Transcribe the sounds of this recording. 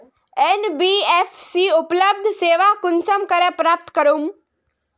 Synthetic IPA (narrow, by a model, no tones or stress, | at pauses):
enbiːefsiːupləb̚d̪ʱseːʋakʊnsəmkəɾepɾaːp̚t̪kəɾuːm